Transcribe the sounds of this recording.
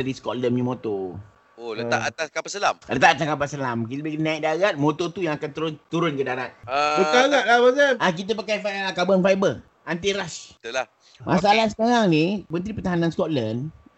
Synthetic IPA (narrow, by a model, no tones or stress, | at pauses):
aɾiskɔʔ̪̚ləmɲimot̪o | oləa̰ʔat̪askapasəlamlət̪aʔat̪askap̬asəlamkit̪bikinaik̚daɣat̪̚mot̪ot̪ujaŋakant̪əɾʊnt̪uɾʊnkədaɾat̪̚əkaɣaʔ̚lamasaak̬it̪̬əp̬akajfaakabənfajbə | ant̪iɾast̪əla | mʔa̰salahsə̥kaɾaŋnimənt̪ɾipət̪aɦananskɔt̪̚lən